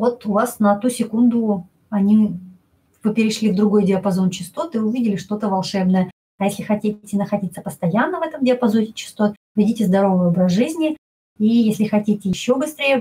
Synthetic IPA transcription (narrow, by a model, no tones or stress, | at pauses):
vo̞t̪ʊvasnɐt̪usʲɪkund̪ʊ | ɐnʲi | vɨpʲɪɾʲɪʂlʲivd̪ɾʊɡo̞jdʲɪɐpɐzo̞nt͡ɕɪst̪o̞t̪ɨʊvʲidʲɪlʲɪʂt̪o̞t̪əvɐlˠʂɛbnəjə | ɐjesʲlʲɪxɐtʲitʲɪnəxɐdʲit̪səpəst̪ɐjanːəvɛt̪əmdʲɪɐpɐzonʲɪt͡ɕɪ̥st̪o̞t̪̚ | vʲɪdʲitʲɪzd̪ɐɾo̞vɨjo̞bɾəsʐɨzʲnʲɪ | ijesʲlʲɪxɐtʲitʲɪjɪɕːo̞bɨst̪ɾʲejə